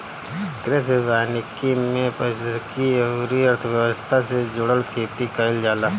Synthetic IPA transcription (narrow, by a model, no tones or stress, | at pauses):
t̪ɾes̬eʋaːnɪkimẽpəskiɾiəɾt̪ʰəʋjəwəst̪ʰased͡ʒʊɽəlkʰeːt̪ikəɪld͡ʒaːlaː